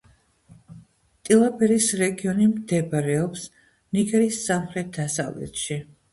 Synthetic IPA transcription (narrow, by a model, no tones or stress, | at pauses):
t̪ʼilˠabɛɾisɾɛɡiɔnimd̪ɛbɾɛɔps | niɡɛɾiːsːamχɾɛt̪̚d̪asa̰vlɛ̰t̪ʃi